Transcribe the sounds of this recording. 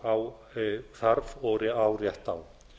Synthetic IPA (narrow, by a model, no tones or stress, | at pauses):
aw | θaɾvɔːɾɪawrjɛht̪aw